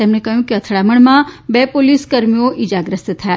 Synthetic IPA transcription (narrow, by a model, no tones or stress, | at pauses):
t̪emɳekəɦjũkeət̪ʰɭaməɳmãbepoliskəɾmioʔid͡ʒaɡɾəst̪t̪ʰəja